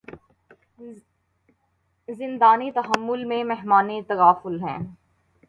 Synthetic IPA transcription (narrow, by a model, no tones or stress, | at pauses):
zɪ̃nd̪aːnit̪ɐɦəmːʊlmẽmɛɦmaːnit̪ɐɣaːfʊlɦɛ̰̃ː